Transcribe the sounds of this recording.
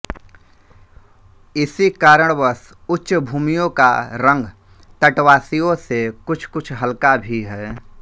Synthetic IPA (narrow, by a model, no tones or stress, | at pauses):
ɪsikaːɾəɽ̃bəs | ʊtːʃbʱuːmijõkaɾə̃ŋɡ | t̪əʈwaːsijõsekʊt͡ʃʰkʊt͡ʃʰɦəlkabʱiɦɛː